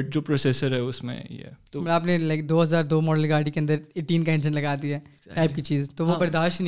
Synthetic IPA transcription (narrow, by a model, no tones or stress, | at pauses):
ʈ̚d͡ʒoːpɾoːseːsəɾɦɛʊsmḛ̃t̪maːpnelaɪkd̪oːɦɐzaːɾd̪oːmɔːɖəlɡaːɾɖikeɐ̃nd̪əɾeːʈːiːnkaẽːnd͡ʒənlɐɡaːd̪iɦɛː | ʈaːɪp̚kit͡ʃiːzt̪oʋobɐɾd̪aːʃn